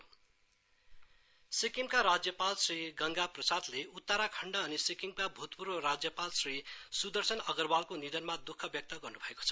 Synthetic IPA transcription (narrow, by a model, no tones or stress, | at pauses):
sikiŋkaɾad͡zjʌpalsriɡʌŋɡaprʌsad̪leut̪ːaɾakʰʌɳɖʌːnisikiŋkabʱut̪puɾʌrad͡zjʌpalsrisud̪ʌrsʌnʌɡʌrbalkonid̪ʌnmad̪ukʰːʌbjʌk̚t̪ʌɡʌrnubʱʌeko̥t͡sʰʌ̥